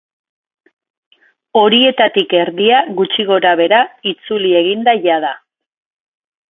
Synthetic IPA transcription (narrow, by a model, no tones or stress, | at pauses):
o̞ɾie̞t̪at̪ike̞ɾðiaɣut͡ʃiɣo̞ɾaβ̞e̞ɾait͡sulie̞ɣind̪aʝað̞a